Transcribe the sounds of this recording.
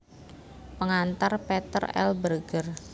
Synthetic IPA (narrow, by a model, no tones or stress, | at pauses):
pəŋant̪arpet̪ə̰rɛ̰lbərɡər